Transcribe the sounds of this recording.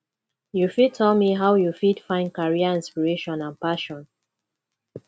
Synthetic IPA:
jufid̚tʰɛlmiɦawjufidfãɪ̃nkaɹiaĩnspiɹeʃɔ̃nãnpaʃɔ̃n

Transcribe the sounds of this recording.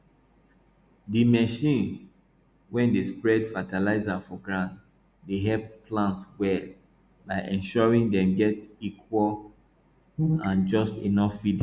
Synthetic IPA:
dimɛʃĩn | wɛ̃ndespɹɛdfatalaɪzafɔɡɹãnt | deɦɛvplãntwɛl | baɪʔɛ̃nʃɔɹĩŋdɛ̃mɡɛtikʰwɔl | ãnd͡ʒɔstḛnɔfːid

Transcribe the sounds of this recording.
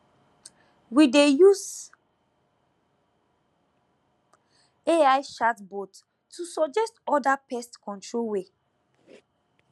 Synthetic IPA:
widejus | eaɪʃatbɔtʰː | usɔd͡ʒɛstɔdapɛstkɔ̃ntɹolwe

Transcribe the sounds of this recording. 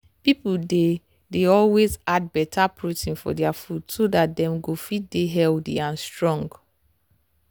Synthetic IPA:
piplde | deɔlwezad̚bɛtʰapʰɹotĩnfɔ̰dɛafudsodat̚dɛ̃mɡofit̚deɦɛldḭãnstɹɔ̃ŋɡ

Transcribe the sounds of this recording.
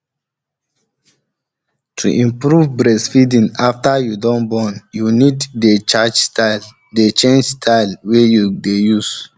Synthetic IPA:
tʰṵʔĩmpɹuvbɹɛsfidĩŋaftəjudɔ̃nbɔnjuniddet͡ʃad͡ʒstʰal | det͡ʃẽnd͡ʒstʰaɪlwejudejus

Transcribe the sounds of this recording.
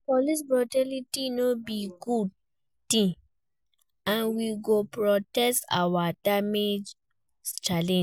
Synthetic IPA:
pɔlisbɹɔtalitinobiɡud̚ | tĩ | ãnwiɡopɹɔtɛsta̰wadamed͡ʒ | t͡ʃalɛ̃

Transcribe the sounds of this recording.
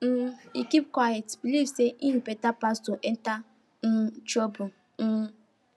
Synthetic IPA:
m̩ikip̚kwajetbilivseʔim̩petapastoʔɛn̩ta | n̩t͡ʃobʊ | n̩

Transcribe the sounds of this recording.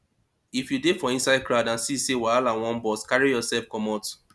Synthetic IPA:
ifjudefɔĩnsaɪd̚kʰɹaʊdãnsisewalãnwɔ̃nbɔskaɹijɔsɛlfkɔ̃mɔt

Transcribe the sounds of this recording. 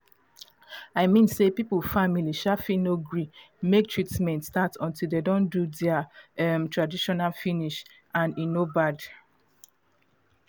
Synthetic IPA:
aɪmĩnsepipulfamiliʃafinoɡɹi | mek̚tʰɹitmɛ̃ntstatɔ̃ntildedõndudɛaɛmtɹadiʃɔnalfiniʃ | ãninobad

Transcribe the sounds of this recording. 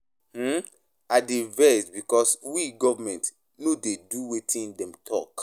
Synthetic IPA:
hm̩ | adevɛsbikɔswiɡɔvamɛ̃nt | nodeduwetʰĩndɛ̃mtʰɔk

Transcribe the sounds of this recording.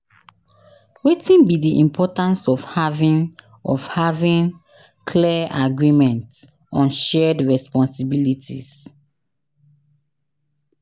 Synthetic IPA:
wetĩnbidiʔĩmpʰɔtãnsɔvhavĩn | ɔvhavĩn | kʰlɛaʔaɡɹimɛ̃nts | ɔ̃nʃɛdɹɛspɔ̃nsibilitʰḭs

